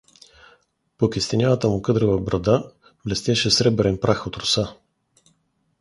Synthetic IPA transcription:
pokʲist̪ɛnʲavət̪əmʊkɤd̪ɾəvəbɾɐd̪a | blɛst̪ʲɛʃɛsɾɛbɛɾɛnpɾaxot̪ɾʊsa

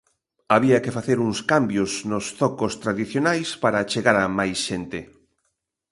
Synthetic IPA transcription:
aβiɐkefaθeɾuŋskambjosnosθɔkost̪ɾaðiθjonajspaɾat͡ʃeɣaɾamajsʃent̪e

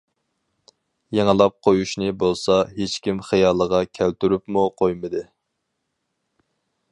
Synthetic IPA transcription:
jeŋəlˠɑp̚qʰojuʃnɪbolˠsɑɦet͡ʃkʲimχɨjɑːlˠəʁɑkʲʰælt̪yɾypmuqʰojmɨd̪ɨ

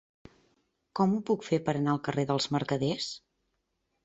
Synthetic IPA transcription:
kɔmupukfepəɾənaəlˠkəreðəlˠzməɾkəðes

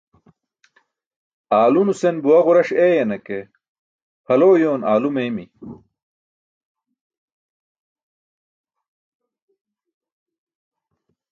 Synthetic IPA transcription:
aːlunusenbuwɐʁuɾɐɕeːjɐnɐke | hɐloːjoːnaːlumeːmi

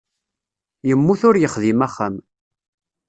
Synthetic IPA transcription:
jəmːuθʊɾjəχðimæχːəm

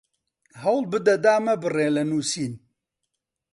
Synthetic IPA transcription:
hɐwlbɨd̪ɐd̪aːmɐbɨreːlɐnuːsiːn

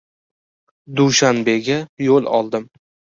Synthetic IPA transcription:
d̪uʃanbe̞ɡʲajolˠɒ̰lˠd̪ɪm

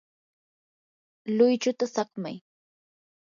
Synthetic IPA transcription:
lʊjt͡ʃʊt̪asɑχma̰j

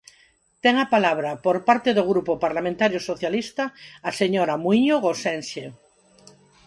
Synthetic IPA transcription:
t̪eŋapalaβ̞ɾapoɾpaɾt̪eðoɣɾupopaɾlamẽnt̪aɾjosoθjalist̪aːseɲoɾamwiɲoɣosenʃe

